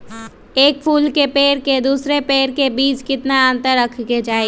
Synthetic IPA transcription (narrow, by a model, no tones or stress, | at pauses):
eːk̚pʰuːlkepeːɾked̪uːsɾepeːɾkebiːt͡ʃkɪt̪naə̃nt̪əɾəkʰked͡ʒaːe